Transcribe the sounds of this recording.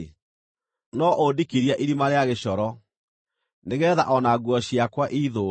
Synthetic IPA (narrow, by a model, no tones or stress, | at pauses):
nɔʔodikiɾiaʔiɾimaɾeaɣeɕɔɾɔ | neɣɛːða̰ʔɔnaɡwɔɕiakwaʔiːðo